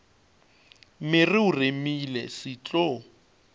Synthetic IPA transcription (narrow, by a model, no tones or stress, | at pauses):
mɪrɪuremilɛ̰sɪt͡ɬʼɔ